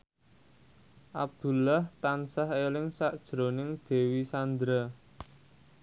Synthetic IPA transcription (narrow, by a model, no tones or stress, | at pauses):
ʔab̚d̪̥ṳlaht̪ansaɦelɪŋsaʔd̥ʒ̥ɾonɪŋd̪̥e̤wisand̪ɾa